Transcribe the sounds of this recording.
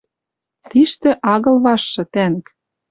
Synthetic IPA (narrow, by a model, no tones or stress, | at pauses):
t̪iʃt̪ɘ̆ʔɑɣɤ̆lβɑʃːɤ̆t̪æn̆k